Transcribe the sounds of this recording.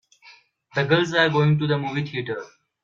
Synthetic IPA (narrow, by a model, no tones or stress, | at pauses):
d̪əɡəlzaɾɡoːɪ̃ŋʈud̪əmuːʋit̪ʰiːʈəɾ